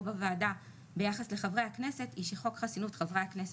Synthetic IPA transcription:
bavaːda | be̞jaχasle̞χavʁejhakne̞setiʃeχo̞kχasinutχavʁejhaknes

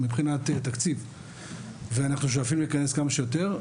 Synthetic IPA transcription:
mibχinat̪et̪akt͡siv | veanaχnuʃ̬oafilulikaneskamaʃe̞jot̪e̞ʁ

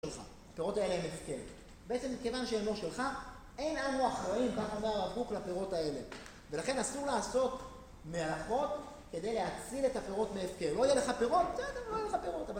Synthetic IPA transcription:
elχa̰ | apeʁo̞tae̞leemefkeʁ | beet͡se̞mːike̞vanʃeemoʃelχa | e̞jnanoaχʁaimkaχaomeʁaɡuklapeʁo̞tae̞le̞ | ve̞laχe̞nasuʁlaːso̞t̪ | mealafo̞t̪ | ke̞de̞jleat͡sile̞t̪apeʁo̞t̪meːfkeʁlo̞ijele̞χapeʁo̞t̪̚be̥t͡sedeʁloijeleχapeʁo̞tava

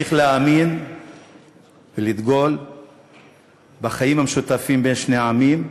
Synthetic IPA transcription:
iχleaːmin | velid̪ɡo̞l | baχajimhameʃut̪afimbe̞nʃne̞amim

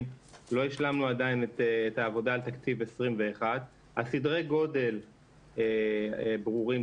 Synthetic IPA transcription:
lo̞iʃlamnuadainet̪ːtaːvo̞daːlt̪akt͡sivesʁimve̞ːχad̪ | hasidʁeɡo̞de̞l | ebʁuʁim

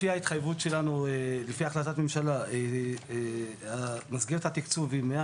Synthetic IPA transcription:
iait̪χajvutʃe̞lanuelefiaːχlat̪at̪me̞mʃalae | amazɡeʁet̪hat̪ikt͡suvimea

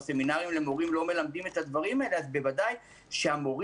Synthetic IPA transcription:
se̞minaʁimle̞mo̞ʁimlo̞me̞lamd̪ime̞t̪had̪vaʁimaeleazbe̞vadaj | ʃeamo̞ʁ

